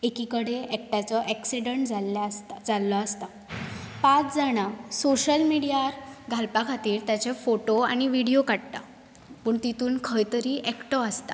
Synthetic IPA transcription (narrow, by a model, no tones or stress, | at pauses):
ekikəɽeɛk̚ʈat͡sɔʔɛksiɽəɳʈd͡zald͡zalːɔast̪a | pat͡sd͡zaɽ̃asoɕəlmiɽijaɾɡʱalpakʰat̪iːɾt̪jat͡ɕefoʈoa̰ɽ̃iʋiɽijokaɽt̪a̰ | pəːɳt̪it̪uːnkʰəjt̪əɾiːʔɛkʈɔəst̪a